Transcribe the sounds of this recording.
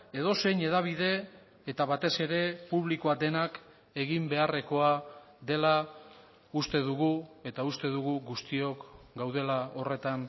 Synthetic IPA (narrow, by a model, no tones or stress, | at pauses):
e̞ð̞o̞se̞jɲe̞ðaβ̞ið̞e̞ː | t̪aβat̪e̞se̞ɾe̞puβlikoad̪e̞nak | e̞ɣimbe̞are̞ko̞a | ðe̞la | ust̪e̞ðuɣue̞t̪aust̪e̞ðuɣuɡust̪io̞kɡawð̞e̞lao̞re̞t̪an